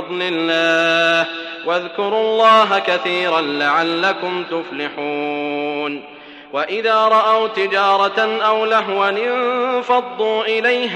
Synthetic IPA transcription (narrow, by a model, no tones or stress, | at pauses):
d̪ˤlɪlːaːh | waðkʊɾʊlˤːɑːɦakaθiːɾanlaʕalːakʊmt̪ʊflɪħuːn | waʔɪðaːɾˤɑʔawt̪ɪd͡ʒɑːɾˤɑʔawlaɦwalɪnfɑd̪ˤːuːʔɪlajɦ